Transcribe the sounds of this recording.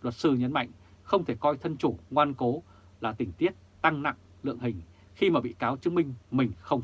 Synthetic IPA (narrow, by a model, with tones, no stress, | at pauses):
lwə˨˩t̚sɨ˧ɲə˨˦nma̰˧˨jŋ̟ | xə˧wŋ͡mt̪ʰe˧˩kɔ˧jt̪ʰə˧nt͡ɕu˧˩ŋwaː˧nko˨˦ | laː˨˩t̪ï˧˩ŋ̟t̪i˦˥ət̚t̪a˧ŋna̰˧˨ŋ | lɨ̰˧˨əŋɦï˨˩ŋ̟ | xi˧maː˨˩ɓḭ˧˨kaː˨˦wt͡ɕɨ˨˦mï˧ŋ̟mï˨˩ŋ̟xə˧wŋ͡m